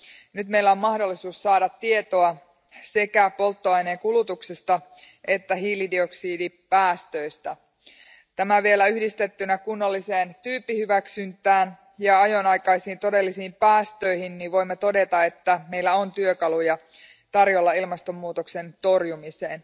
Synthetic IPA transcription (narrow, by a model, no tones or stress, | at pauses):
nyt̪mejlːæo̞mmɑhdo̞lːisuːsːɑːdɑt̪ːie̞t̪oɑ | se̞kæpo̞lt̪ːoɑjneːkulut̪uksest̪ɑ | ʔet̪ːæɦiːlidio̞ksiːdipæːst̪øjst̪æ | t̪æmæʋie̞læyhdist̪e̞t̪ːynækunːolːiseːnt̪yːpːihyʋæksynt̪ˑæːn | jɑɑjo̞nɑjkɑisiːnt̪o̞de̞lːisiːmpæːst̪ø̞ijhinniʋʋo̞jmːet̪o̞de̞t̪ɑe̞t̪ːæme̞jlːæont̪yøkɑlujɑ | t̪ɑrjo̞lːɑilmɑst̪o̞mːuːt̪okse̞nt̪o̞rjumise̞ːn